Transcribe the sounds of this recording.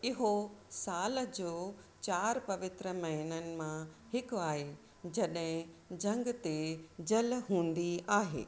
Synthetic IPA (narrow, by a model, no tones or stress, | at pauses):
ɪɦosaːld͡ʑoːt͡ɕaːɾpɐʋɪt̪ɾəmɐɦənənɪ̆mãhɪkʊaːɦe | d͡ʑɐɗɦɪ̃d͡ʑɐ̃ŋɡt̪ed͡ʑɐlɦũːn̆d̪iaːɦḛː